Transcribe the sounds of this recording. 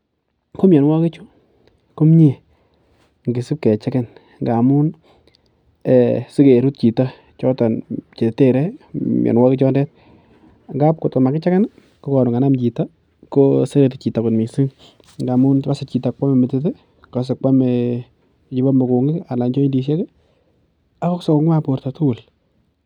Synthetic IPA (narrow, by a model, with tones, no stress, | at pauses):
ko˦mjɛ˨nwa˦kɪ˦t͡ʃu˦ | kʊ˦mɲe˨ | ŋɡɪ˨si˦p̚kɛ˨t͡ʃɛ˦kɛ˦n | ŋɡa˨mu˦n | ɛ˨si˦ke˨ɾu˦t̚t͡ʃi˨ta˦ | t͡ʃɔ˦ta˨nt͡ʃe˨te˦ɾɛ˦mjʔɛ̰˨nwa˦kɪ˦t͡ʃɔ˦ndɛ˦t̚ | ŋɡa˦p̚kʊ˨tko˨ma˨kɪ˦t͡ʃɛ˦kɛ˦n | ko˦kɔ˨nʊ˨ŋa˨na˦mt͡ʃi˨ta˦ | ko˦se˦ɾe˨tɪ˨t͡ʃi˨ta˨kʊ˨nmi˨si˦ŋ | ŋɡa˨mu˦n˦pa˦sɪ˨t͡ʃi˨ta˨k͡pa˦me˨mɪ˨tɪ˦t̬ɪ˦ | ka˨s̬ɪ˨k͡pa˦me | t͡ʃi˨˦ba˦mʊ˨ku˨ŋɪ˦ka˨la˨nt͡ʃɔ˦i˦ndi˨ʃ̬e˦kɪ˦ | a˦ko˦ksɔ˦ko˦ŋ˦a˦po˨ɾta˨tu˦˨l